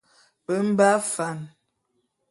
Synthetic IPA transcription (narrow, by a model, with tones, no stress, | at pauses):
bə˦m̩˦ba˦fa˨n